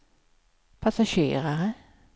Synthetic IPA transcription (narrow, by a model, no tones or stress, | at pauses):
pʰasaɕḛːɾaɾə